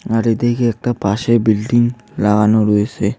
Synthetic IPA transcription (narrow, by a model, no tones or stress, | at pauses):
aɾed̪ejkeɛk̚ʈapaʃebilɖiŋ | laɡanoɾoet͡ɕʰe